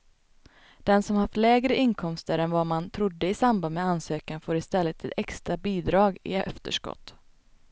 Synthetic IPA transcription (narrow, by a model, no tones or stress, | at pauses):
d̪̥ɛnsɔmhaft̪lɛːɡɾəʔɪnkʰɔmst̪əɾɛnvamant̪ʰɾʊd̪ːəɪsamband̪mɛansøːkanfoːɾɪst̪ɛlːət̪ʰːɪlɛkst̪ɾabiːd̪ɾɑːɡɪ̰œft̪ə̰ʂkɔ̰t̪ː